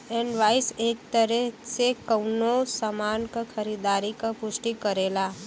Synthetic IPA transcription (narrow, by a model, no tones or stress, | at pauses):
enʋaːɪseːk̚t̪əɾɛsekəʊnosəmaːnkakʰəɾid̪aːɾikapʊsʈikəɾeːlaː